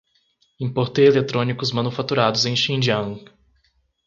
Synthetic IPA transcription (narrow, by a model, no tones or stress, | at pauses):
ĩpoɾt̪eelet̪ɾõnikʊzmɐ̃nufat̪uɾad̪ʊzẽj̃ʃĩnd͡ʒɐ̃ŋ